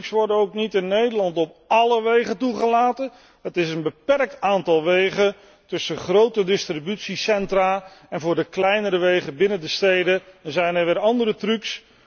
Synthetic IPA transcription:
ksʋɔɹdənowknitɪnːejdəɹlɑntɔp̚ɑləʋejχəntuχəlaːtən | ətɪsənbəpɛrk̚taːntɑlˠʋejχən | tɵsəχrowtədɪstribytsisɛntraːɛnvʊːɹdəklɛjnəɾəʋejχəbɪnəndəstejdəzɛjnɛɹʋɪːɹɑndəɾətrʉks

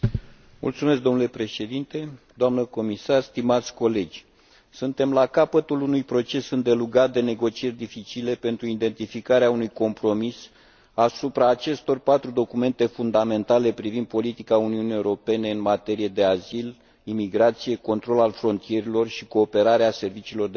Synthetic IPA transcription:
mṵlt̪sumesk̚d̪o̞nule̞pɾe̞ʃe̞d̪int̪e̞d̪oamnəko̞misarst̪imat̪sʲko̞le̞d͡ʒʲ | sunt̪e̞mlakapət̪ulunujpɾo̞t͡ʃe̞sɨnd̪e̞luɡat̪̚d̪e̞ne̞ɡo̞t͡ʃie̞rʲd̪ifit͡ʃile̞pe̞nt̪ɾuid̪e̞nt̪ifikaɾeaunujko̞mpɾo̞mis | asupɾaːt͡ʃe̞st̪o̞rpat̪ɾud̪o̞kume̞nt̪e̞fund̪ame̞nt̪ale̞pɾivind̪̚po̞lit̪ikauniunijeuɾo̞pe̞ne̞ɨnmat̪e̞ɾije̞d̪e̞azil | imiɡɾat̪sije̞ko̞nt̪ɾo̞lalfɾo̞nt̪ije̞ɾilo̞rʃiko̞ːpe̞ɾaɾease̞rvit͡ʃiːlo̞rd̪

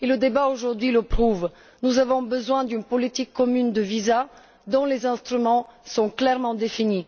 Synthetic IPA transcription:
eləd̪ebaoʒuʁd̪ɥiləpχuv | nuzavɔ̃bəzwɛ̃d̪ynpɔlit̪ikʰːɔmynd̪əviza | d̪ɔ̃lezɛ̃st̪χymɑ̃sɔ̃klɛʁmɑ̃d̪efini

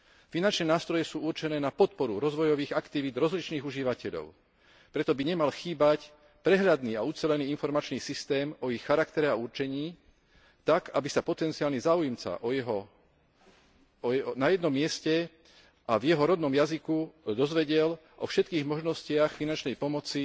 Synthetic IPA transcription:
finant͡ʃnɛːnaːst̪ɾɔjɛsuːuɾt͡ʃɛnɛːnapɔt̪̚pɔɾuɾɔzʋɔjɔʋiːɣakt̪iʋiːd̪ɾɔzlit͡ʃniːɣuʒiʋacɛʎɔ̰ʊ | pɾɛt̪ɔbiɲɛmalxiːbac | pɾɛɦʎad̪niːaut͡sɛlɛniːinfɔɾmat͡ʃniːsist̪ɛːmɔixːaɾakt̪ɛɾɛauɾt͡ʃɛɲiː | t̪akabisapɔt̪ɛnt͡siaːlɲɛzaːujmt͡sa̰ʔɔjɛɦɔ | ɔɛnajɛd̪nɔmːɪɛscɛ | avjɛɦɔɾɔd̪nɔmjazikud̪ɔzʋɛɟɪɛl | ʔɔ̰fʃɛt̪kiːɣmɔʒnɔscɪaxfinant͡ʃnɛjpɔmɔt͡si

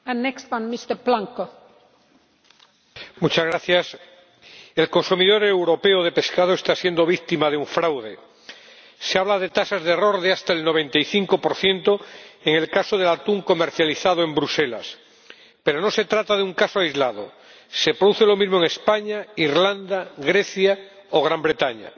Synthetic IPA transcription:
anːɛkstfãnmist̪əblãŋko | mut͡ʃazɣɾaθjas | e̞lko̞nsumiðo̞ɾewɾo̞pe̞oð̞e̞pe̞skaðoe̞st̪asje̞nd̪o̞β̞ik̚t̪imaðeuɱfɾawðe̞ | seaβlað̞e̞t̪asazð̞ero̞ɾðeast̪aelno̞β̞ẽ̞nt̪ajθiŋko̞po̞ɾθje̞nt̪oeŋe̞lkasoðe̞lat̪uŋko̞me̞ɾθjaliθað̞oe̞mbɾuse̞la̰s | pe̞ɾo̞no̞se̞t̪ɾat̪að̞euŋkasoajzlaðo̰ | se̞pɾoðuθe̞lo̞mizmoeŋespaɲaiɾland̪aɣɾe̞θja | oɣ̞ɾambɾe̞t̪aɲa̰

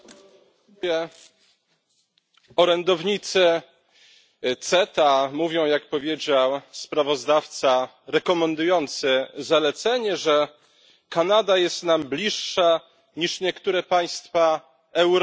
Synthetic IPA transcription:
ɛ | ɔɾɛnd̪ɔvɲit̪sɘ | t̪sɛt̪amuvʲɔ̃w̃jakpɔvʲjed͡ʑawspɾavɔzd̪aft̪sa | ɾɛkɔmɛnd̪ujɔnt̪sɘzalɛt̪sɛɲɛʐɛ | kanad̪ajɛst̪namblʲiʂːa | ɲiʂɲɛkt̪uɾɛpaj̃st̪fa | ɛwɾ

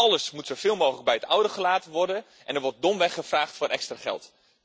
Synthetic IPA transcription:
ɑləsmutsowv̥ɪːlˠmowχələɡ̚bɛjətɔwdəχəlaːtəʋɔrdən | ʔɛnɛɹʋɔrt̚dɔmʋɛχəvraːχtfʊːɾɛkstraχɛ̰lˠt

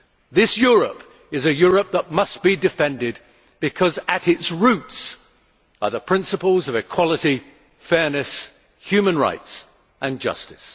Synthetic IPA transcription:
ðɪsjʊɹəp | ɨzɨjʊɹəp̚ðət̚mʌstb̥idɨfɛ̃ndɪd̚ | b̥ɨkʰʌzɨɾɪtsɹʉts | ə˞ðəpʰɹ̥ɪ̃nsəpl̩ˠzʌvɨkʰw̥ɑlˠəɾi | fɛɹnɨs | hj̥ʉmə̃nɹa̰ɪts | ʔɨ̃nd͡ʒʌ̰stɨ̥s

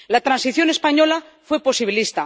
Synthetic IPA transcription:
lat̪ɾansiθjo̞ne̞spaɲo̞la | fwe̞po̞siβilist̪a

